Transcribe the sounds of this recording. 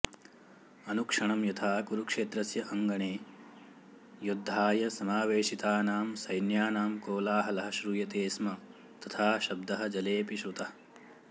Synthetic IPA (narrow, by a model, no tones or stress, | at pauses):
ɐnukʂɐɳɐmjɐt̪ʰaːkuɾukʂeːt̪ɾɐsjɐʔɐŋɡɐɳeː | jud̪ʱːaːjɐsɐmaːʋeːʂit̪aːnaːmsɐjnjaːnaːmkoːlaːɦɐlɐɦɐʃɾujɐt̪eːsmɐ | t̪ɐt̪ʰaːʃɐb̚d̪ɐɦɐ̆d͡ʒɐleːpiʃut̪ɐɐ